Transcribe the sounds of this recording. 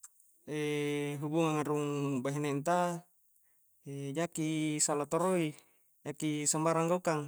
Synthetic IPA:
eɦubuŋaŋaɾuŋbaɦinant̪a | ed͡ʒakisalat̪oɾoi | d͡ʒakisambaɾaŋɡaukaŋ

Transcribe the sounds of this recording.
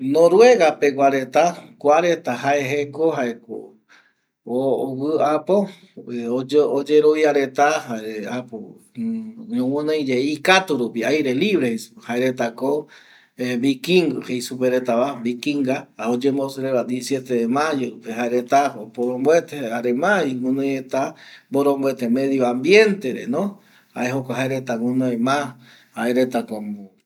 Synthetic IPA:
nõɾwe̞ɣapekaɾet̪akʷaɾet̪aɦaeɦekoɦaeko̰ | owɨapo | ood͡ʒeɾoβjaɾe̞t̪ahaeapo | ɲõwõnẽjd͡ʒeikat̪uɾupiajɾe̞liβɾehejsu̥haeɾet̪ako | eβikiŋɡɨhejsupeɾet̪aβaβikiŋɡaod͡ʒemosɾeβad̪iesjet̪eemajoɾupeɦaeɾet̪aopoɾombwet̪eaɾemaŋũnõjet̪aboɾombwet̪emẽðjoambjent̪eɾenõ | aeɦokʷaɦaeɾet̪aŋũnõjmã | aeɾet̪ako

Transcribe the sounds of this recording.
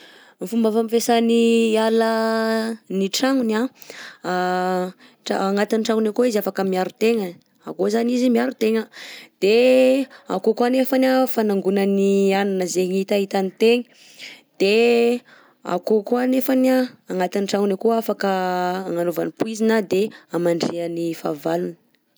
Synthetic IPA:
mifumbafamifesanialə | niʈ͡ʂaŋuna | ʈ͡ʂaaŋat̪iniʈ͡ʂaŋunakoizafakəmiaɾut̪eŋə | akozanizimiaɾut̪eŋəd̪̥e | a̰kokuanefanʲafanaŋɡunənianunəzeɲit̪aɦit̪anit̪eŋə̥ | d̪̥e | a̰kokuanefanaːŋat̪iniʈ͡ʂaŋunakoafakəːŋanova̰nipuizinad̪eamaɳɖ͡ʐiənifa̰valunə̥

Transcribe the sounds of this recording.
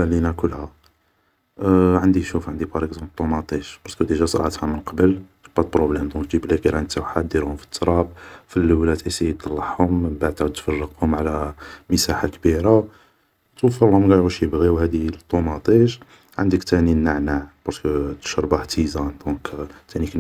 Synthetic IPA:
ælinakʊlːhæ | ʕənd̪iʃufʕənd̪ipɑɾˤəkzɑ̃blt̪ˤːumɑt̪ˤiʃb̥ɑɾˤtkəd̪əʒæsˤɾˤʕt̪hæmənqɑbəl | bæt̪pɾoblɛmd̪ɔ̃kd͡ʒibliqiɾant̪ːawħat̪̚d̪iɾhʊmfi̥t̪ːɾˤɑb̚filːəwlæt̪isijət̪ˤːɑlːɑħhʊmːənbaʕd̪̚t̪ʕəd̪̚t̪fɑrˤːəq̚hʊmʕlæməsaħakbiɾa | t̪ufəlhʊmɡɑjʕuʃjəbɣiwhæd̪it̪ˤːomɑt̪ˤiʃ | ʕənd̪əkt̪æninːaʕnaʕb̥ɑɾˤt̪kət̪ə̥ʃɾˤbaht̪izænd̪ɔ̃kt̪ænik

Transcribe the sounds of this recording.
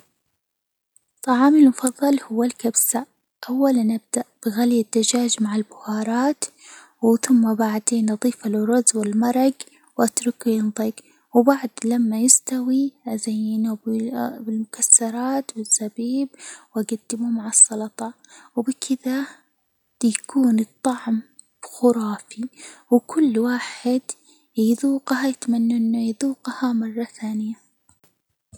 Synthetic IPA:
t̪ˤːɑʕɑːmɪlmʊfɑðˤːɑlhʊwːalkabsaʔ | ʔawːalanʔab̚d̪aʔb̥ɪɣaljɪd̪ːad͡ʒaːd͡ʒmaʕalbʊhɑːɾˤɑːt̪ | wθʊmːabaʕd̪eːnʔɑðˤiːfalrʊzwɪlmɑɾˤɑɡ | wʔat̪ɾʊkujɪnt̪ˤiɡ | wbaʕd̪lamːajɪst̪awizajːɪnubɪlmʊkasːɑɾˤɑːt̪bɪsːabiːbwʔaɡad̪ːɪmumaʕasˤːɑlɑt̪ˤɑ | wbɪkʰɪða | jakʰuːnɨt̪ˤːɑʕm | b̥xʊɾˤɑːfiwkʊlːwaːħɪd̪ | jɪðuːqhajɪt̪manːaʔɪnːajðuːqhamɑrˤːɑθaːnɪja

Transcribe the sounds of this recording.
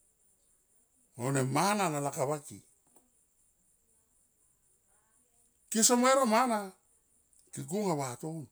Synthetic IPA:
onemanalalakaβaki | kisomaeɾomana | kik̬uŋaβaton

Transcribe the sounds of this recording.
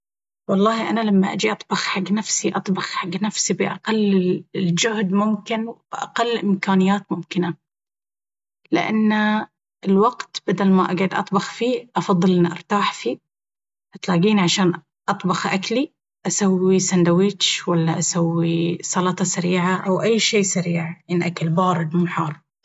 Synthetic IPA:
wɑlˤːɑːhʔanalamːaʔad͡ʒiʔɑt̪ˤbɑxħaɡːnafsiʔɑt̪ˤbɑxħaɡːnafsibɪʔaqalːɪld͡ʒʊhd̪mʊmkɪnb̥ʔa̰qalːʔɪmkaːnɪjːaːt̪mʊmkɪna | lɪ̰ʔa̰nː | ɪlwaɡt̪b̥ad̪almaʔa̰ɡʕʊd̪ʔɑ̰t̪ˤbɑxfiːʔɑfɑðˤːɨlʔɪnːiʔɑ̰ɾˤt̪aːħfiː | ʔat̪laːɡiːniʕaʃaːn | ʔɑt̪ˤbɑxʔakli | ʔasawːisand̪awiːt͡ʃwalːaʔasawːisˤɑlɑt̪ˤɑsaɾiːʕaʔawʔajːʃeːsaɾiːʕʔanʔakalbɑːɾˤɨd̪muːħɑːrˤ

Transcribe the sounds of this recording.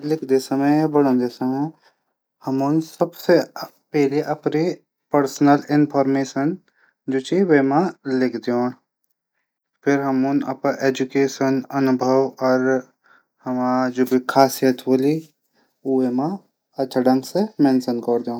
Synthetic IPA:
lɪkʰd̪esɐməjabɐɽõnd̪esɐmə | hɐmonsɐbse | pɛɦleʔɐpɾe | pəɾsnəlɪnpʰɔːɾmeːʃən | d͡ʒot͡ʃiweːmãlɪkʰd̪eoːn | pʰɪɾɦɐmunɐ̰paʔeːd͡ʒukeːʃənɐnʊbʱəwɔːɾ | hɐmãːd͡ʒʊbikʰaːsijət̪ʋoli | uemã | ɐt͡ʃəɖə̃ŋɡsemɛ̃ːnsənkɔːɾd̪eõː

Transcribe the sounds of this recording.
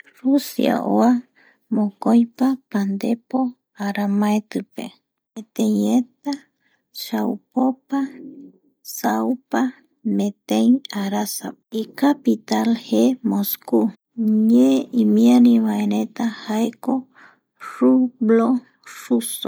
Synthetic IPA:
rusḭa̰ʔo̰a | mõkojpapand̪epo | aɾamãet̪ɨpe | met̪eɲet̪a | ʃaupopa | sawpa | mẽt̪ẽjaɾasaikapit̪alhemosku | ɲeimiaɾiβaeɾẽt̪ahaeko | ʂublo | ʂuso

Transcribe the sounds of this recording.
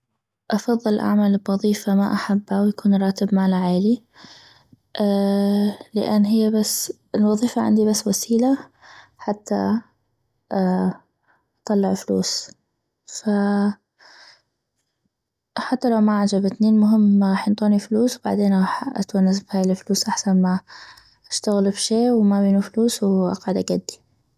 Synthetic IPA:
ʔɑfɑðˤːɨlʔa̰ʕmaːlbwɑðˤiːfamaʔaħabːawjakuːnɾˤɑːt̪ɪbmaːlaʕeːli | ʔ | lɪ̰ʔanːɦɪjːabasː | ɪlwɑðˤiːfaʕa̰nd̪ibasːwasiːla | ħat̪ːa̰ | ʔt̪ˤɑlːɑʕflṵːs | fa | ħat̪ːalawmaʕaʕd͡ʒabɪt̪nimʊɦɪmːɣɑːħjɪnt̪ˤuːnifluːswba̰ʕd̪eːnɣɑːħʔa̰t̪wanːazbhaːjlfluːsʔaħsanma | ʔaʃt̪aɣɪlbʃeːwmabiːnufluːswʔɑ̰qʕd̪aɡad̪ːi̥

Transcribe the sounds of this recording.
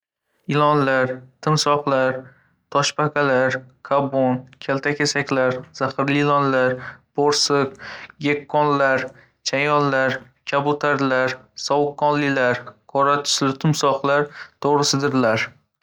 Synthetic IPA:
ɪlˠɒnlaɾt̪ʰɪmsɒqlˠaɾ | t̪ʰɒʃpakʰʲalaɾkʰabonkʲʰalt̪ʰakʲʰasakʲlaɾz̥aχɪɾlilˠɒnlaɾb̥oɾsɨq̚ɡekːɒnlaɾ | t͡ʃʰajɒnlaɾ | kʲʰabʊt̪ʰaɾlaɾ | sɒwʊkːɒnlɪlaɾkʰɒɾat̪ʰʊ̥slɪt̪ʰʊmsɒqlˠaɾt̪ʰoʁɾɪsɪd̪ɪɾlaɾ

